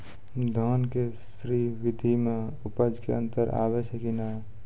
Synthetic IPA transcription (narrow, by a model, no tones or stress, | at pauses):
d̪ʱɔːnkesɾiːʋɪd̪ʱime | ʊpəd͡ʒkḛə̰̃nt̪əɾa̰ːʋəsekina